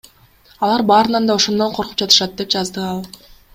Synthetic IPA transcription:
ɑlˠɑɾbɑːɾɯnɑnd̪ɑo̞ʃo̞nd̪o̞ɴqʰo̞ɾqu̥p̚d͡ʒɑt̪ɯ̥ʃɑt̪̚d̪e̞pd͡ʒɑzd̪ɯɑlˠ

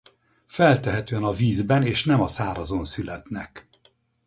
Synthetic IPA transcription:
fɛlt̪ɛɦɛt̪øːɛnɒviːzbɛneːʃnɛmɒsaːɾɒzonsylɛt̪nɛk

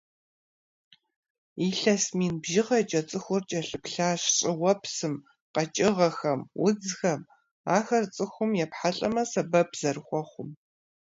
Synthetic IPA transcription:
iɬɐsmiːnbʒɪʁɐt͡ʃʼɐt͡sʼɨxʷʊrt͡ʃʼɐɬɨpɬaːɕɕʼɪwɐpsɨm | qɐt͡ʃʼɪʁɐxɐmwʊd͡zxɐm | aːxɐrt͡sʼɨxʷʊmjɛpħaɬʼɐmɐsɐbɐbz̥ɐrχʷɔχʷʊm

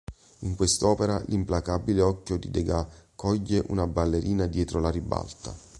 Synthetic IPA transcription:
iŋkwest̪ɔːpeɾalʔimplakabileɔkːjod̪id̪eɡakʰːɔʎːeʔṵnabalːeɾʔiːnad̪jɛːt̪ɾolaɾiba̰lt̪a̰

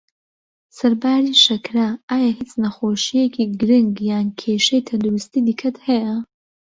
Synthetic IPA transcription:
sɐɾbaːɾiʃɐkʰraaːjahit͡sʼnaχoːʃijekʰʲiɡɾɨŋɡjaːnkʲʰeʂejtʰɐndoɾistʰidikʰɐtʰheʔa

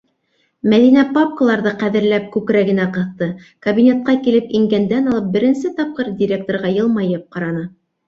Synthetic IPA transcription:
mæðinæpap̚kəlˠɑɾðɤqæðɘ̆ɾlæp̚kʉkɾæɡɘ̆næqɤ̆θt̪ɤ | kɐbʲinʲet̪̚qɑkilɘpiŋɡænd̪ænɑlˠɤp̚bɘ̆ɾɘ̆nsɘt̪ɑp̚qɤɾdʲɪɾʲek̚t̪oɾʁɑjɤlˠmɑjɤp̚qɑɾɑnɤ

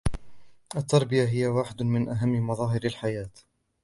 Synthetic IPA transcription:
ʔat̪ːɑɾˤbɪjaɦɪjawaːħɪd̪ʊmɪnʔaɦamːmɑðˤɑːɦɪɾalħajaːt̪

